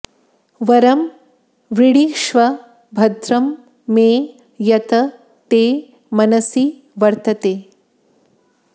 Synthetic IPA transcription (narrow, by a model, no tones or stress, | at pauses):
ʋɐɾɐm | ʋɾiɽiʃʋɐ | bʱɐd̪ʱɾɐmː | eː | jɐt̪ɐ | t̪eː | mɐnɐsi | ʋɐɾt̪ɐt̪eː